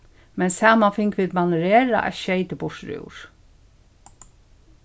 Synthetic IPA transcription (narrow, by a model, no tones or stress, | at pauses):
mɛnsaːmanfɪŋkʋɪðmanɾeːɾa̰ʔɛ̰ʃɛɪt̪əbʊʂɾṵwɾ̥